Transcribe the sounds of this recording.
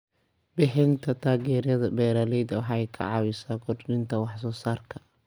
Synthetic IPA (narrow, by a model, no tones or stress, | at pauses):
bɪħɪnt̪ʰɐt̪ʰaːɣɛːɾjɐðɐbɛːɾɐːlɛjd̪ɐwɑħɑːɛjkʰɐ̰ʕɑwɪsaːɡʰɔrnɪnt̪ʰɐwɑħsɔːsaːrkʰɐ̥